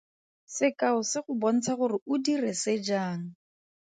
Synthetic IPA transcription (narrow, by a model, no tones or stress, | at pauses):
sɪkʼaʊsɪχʊbɔn̩t͡sʰaχʊrɪʊdirɛsɪd͡ʒaːŋ̩